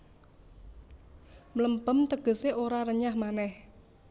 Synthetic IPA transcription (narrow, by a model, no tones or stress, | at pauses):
mləmpəmt̪əɡ̥ə̤seʔoɾaɾəɲahmanɛh